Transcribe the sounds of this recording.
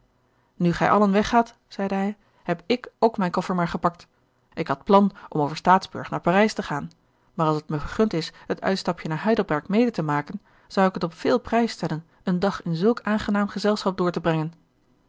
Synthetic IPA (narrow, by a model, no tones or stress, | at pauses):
nyχɛ̰jʔɑlənʋɛχaːt | z̥ɛjdəɦɛj | ɦɛpɪkowkmɛjnkɔfəɹmaːɹχəpɑk̚t | ʔɪkɦɑt̚plɑnʔɔmowvəɹstaːdzbɵ̰ɹχnaːɹpaːrɛjstəχaːn | maːrɑlˠsətməχəɹχɵntɪsɦətœ̰ɥtstɑpjənaːɹɦœɥdəl̩ˠbɛɹkmejdətəmaːkən | z̥ʌwɪkətɔpfɪːlˠprɛjstɛlən | əndɑχɪnzɵlˠkaːnχənaːmχəzɛlˠsχɑp̚dʊːɹtəbrɛŋən